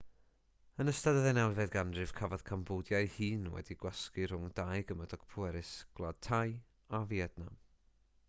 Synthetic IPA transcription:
ənəstadəðɛnɛwvɛðɡandrɨv̥kʰavɔð̥kʰambʊːdjajhiːnwɛ̰diɡ̥waskir̥ʊŋdajɡəmədɔɡ̥pʰʊɛɾɪsɡ̥lˠad̥̚tʰaj | aviɛdnam

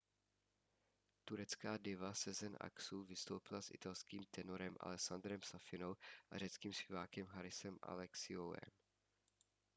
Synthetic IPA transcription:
t̪uɾɛt͡skaːdɪvasɛzɛnʔa̰ksuːvɪst̪owpɪlasʔɪ̰t̪alskiːmt̪ɛnoɾɛmʔa̰lɛksand̪ɾɛmsafɪnowʔar̝ɛt͡skiːmspʲjɛvaːkɛmɦaɾɪsɛmʔa̰lɛksɪowɛ̰m

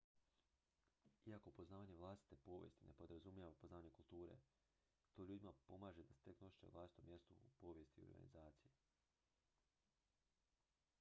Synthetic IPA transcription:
iakopo̞znaːʋaːɲe̞ʋlˠast̪i̥t̪e̞po̞ːʋjḛst̪ine̞po̞d̪ɾazumjaʋapoznaːʋaɲekulˠt̪uːɾe̞̰ | t̪o̞ːʎuːd̪imapo̞maːʒed̪ase̥t̪e̞knoʃi̥t͡ʃeʋlˠasi̥t̪omje̞st̪uupo̞ːʋje̞st̪io̰ɾɡa̰nḭzaːt̪sije

